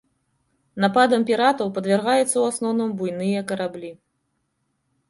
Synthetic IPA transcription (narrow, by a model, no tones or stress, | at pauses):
napad̪ɐmpʲiɾat̪ɐwpɐd̪vʲarɣajɛt̪sːɐwasnɔwnɐmbujnɨjɐkɐɾablʲi